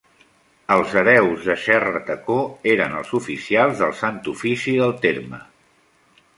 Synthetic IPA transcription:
əlˠzəβɛwzðəʃɛrət̪əkoeɾənəlˠzufisialˠzðəlˠsant̪ufisiðəlˠt̪eɾmə

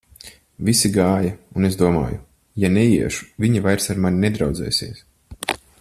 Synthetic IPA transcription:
visiɡaːjɐunezd̪uɔma̰ːjṵ | janɛjiɛʃu̥viɲavajɾsaɾmanʲinɛd̪ɾawd̪zɛ̰ːsiɛs

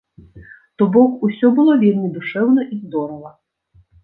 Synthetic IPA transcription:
t̪ɔbɔkusʲɔbulˠɔvʲirnʲid̪uʂɛwnɔʔizd̪ɔɾɔʋɐ

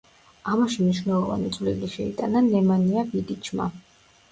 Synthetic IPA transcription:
amaʃimniʃnɛlˠɔva̰nit̪sʼvlḭliʃɛit̪ʼananɛmaniabid̪it͡ʃʰma̰

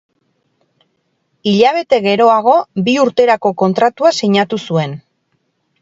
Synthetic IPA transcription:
iʎaβ̞e̞t̪e̞ɣe̞ɾo̞aɣ̞o̞biuɾt̪e̞ɾako̞ko̞nt̪ɾat̪uasiɲat̪usue̞n

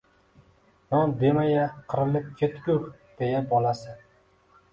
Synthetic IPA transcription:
nɒnd̪e̞majaqʰɨɾɪlɪp̚kʲʰet̪kʲʊɾ | d̪̥ejabɒlasɪ

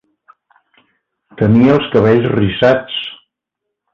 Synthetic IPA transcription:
t̪əniəəlˠskəβɛʎzrisat͡s

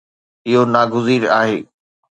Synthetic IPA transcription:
ɪɦonaːɡʊziːɾaːɦeː

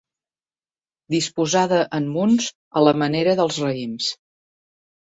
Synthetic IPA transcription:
d̪ispuzaðəʔəmːunz | ələməneɾəðəlˠzrəims

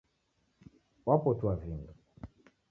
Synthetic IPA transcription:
wapɔtwavindu

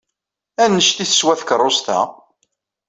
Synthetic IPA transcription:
ænːəʃt̪iθə̥swæθkərˤːost̪æ̰

